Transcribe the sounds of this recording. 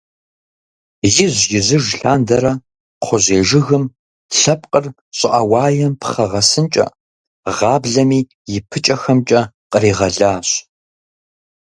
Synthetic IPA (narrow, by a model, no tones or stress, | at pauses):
jɪʑjɪzɨʒɬaːndɐɾɐ | qʷʰɔʑeːʒɪɣɨm | ɬɐp̚ʼqʼər | ɕʼɪʔɐwɑːjɛmpʰχɐʁɐsɨnt͡ʃʼɐ̰ | ʁɑːbɮɐmiː | jɪpʰɨt͡ʃʼɐxɐmt͡ʃʼɐ | qʼəɾiːʁɐɮaːɕ